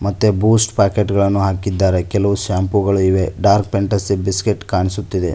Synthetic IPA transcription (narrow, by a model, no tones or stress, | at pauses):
mɐt̪ːebuːsʈpaːkeʈɡɐɭɐnːuɦaːkid̪ːaːɾe̞kɛlɐʋuʃaːmpuɡɐɭuiʋe̞ɖaːɾk̚peɳʈɐsibiskeʈːkaːɳisut̪ːid̪e̞̰